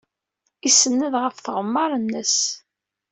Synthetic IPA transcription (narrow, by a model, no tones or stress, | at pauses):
isənːəðʁəfθʁəmːɑɾˤənːəs